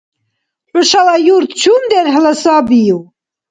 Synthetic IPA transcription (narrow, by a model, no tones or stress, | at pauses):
ħʊʃalajuɾt̪t͡ʃʰumd̪ɛɾɦələsaːbiu